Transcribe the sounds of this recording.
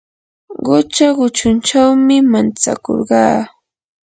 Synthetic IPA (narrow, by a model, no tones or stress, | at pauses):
ɢʊt͡ʃaɢʊt͡ʃʊnt͡ʃawmɪmant͡sa̰ko̰ɾɢɑː